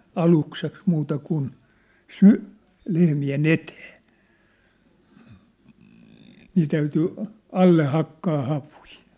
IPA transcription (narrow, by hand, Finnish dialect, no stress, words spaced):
ɑlukseks muːtɑ kun sy lehmien eteː niː tæyty ɑlːe hɑkːɑː hɑʋui